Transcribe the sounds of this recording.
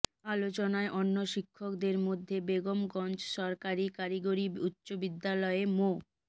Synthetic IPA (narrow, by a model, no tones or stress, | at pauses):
alot͡ɕonaeʔonːoʃikʰːok̚d̪eɾmod̪ʱːebeɡomɡɔnt͡ɕʃɔɾkaɾikaɾiɡoɾiutːɕobid̪ːalɔemo